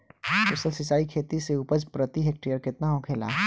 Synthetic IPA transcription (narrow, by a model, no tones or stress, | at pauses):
kʊsəlsɪt͡ʃaːikʰeːt̪iseuːpəd͡ʒpɾət̪iɦeːk̚ʈijəɾkɪt̪naɦõːkʰeːla̰ː